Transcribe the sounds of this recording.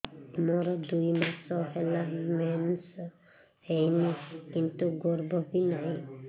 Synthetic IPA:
mɔɾɔd̪ujmasɔɦelamens | hejnikint̪uɡɔɾbɔbinaj̃

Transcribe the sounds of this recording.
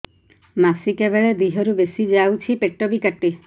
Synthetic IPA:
masikebeɭed̪iɦɔɾubesid͡ʒawt͡ʃʰipeʈɔbikaʈːe

